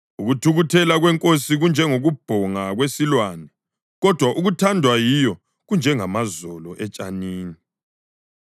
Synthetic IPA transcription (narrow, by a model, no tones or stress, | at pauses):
uɣutʰuɣutʰɛlaɣwɛŋkʼosiɣund͡ʒʱɛŋoɣub̥ʱɔŋaɣwesilwaːnɛ | ɣɔd̥ʱwaʔuɣutʰandʱwajijɔ | ɣund͡ʒʱɛŋamazɔlɔʔɛt͡ʃʼaniːni